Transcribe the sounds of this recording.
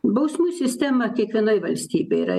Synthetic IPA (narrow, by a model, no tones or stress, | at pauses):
bɐʊsʲmuːsʲɪsʲt̪ʲæmɐkʲiɛkʋʲiɛnɐɪʋɐlʲsʲt̪ʲiːbʲɛɪɾɐ̰